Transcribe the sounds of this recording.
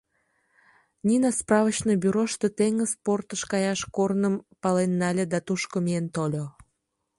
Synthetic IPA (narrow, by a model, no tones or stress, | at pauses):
nʲinɑsprɑβət͡ɕnojbʲyɾoʃt̪ət̪eŋəsport̪əʃkɑjɑʃkornəmpɑlenːɑlʲed̪ɑt̪uʃkomient̪olʲo